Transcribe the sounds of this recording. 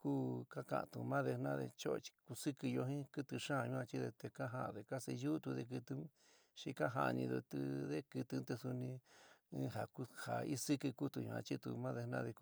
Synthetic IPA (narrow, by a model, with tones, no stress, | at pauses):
kuː˦ka˦kã̰˧˨˧t̪u˨mã˦ðe˧nã˦ðḛ˧t͡ʃo˦˧t͡ʃi̥˧ku˧sɨ˦kɨ˧jo˧ɦĩ˦kɨ˦t̪ɨ˧ʂã˦˨˧ɲũ˧˦ã˧t͡ʃi˦ðe˧t̪e˧ka˦ɦa˧˨˧ðe˧ka˦se˧ju˦t̪u˧ðe˧k̬ɨ˧t̪ɨ˧˦ | ʃi˧ka˦ɦa̰˧nĩ˧ðu˧t̪u˧ðe˦kɨ˧t̪ɨ˧˦t̪e˧su˧nĩ˧˦ | ɦa˨ku˧ha˨i˦sɨ˦kɨ˧ku˦t̪u˧ɲṵ̃˧ã̰˧t͡ʃi˦t̪ṵ˧mã˦ðe˧nã̰˦ðe˧k